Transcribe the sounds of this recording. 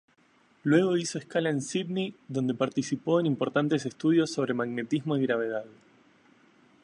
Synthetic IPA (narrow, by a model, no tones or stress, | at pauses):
lwe̞ɣ̞o̞iso̞eskalaensiðniðo̞nd̪e̞paɾt̪isipo̞e̞nimpo̞ɾt̪ant̪ese̞st̪uð̞jo̞sːo̞β̞ɾe̞maɣne̞t̪izmo̞iɣɾaβ̞e̞ð̞að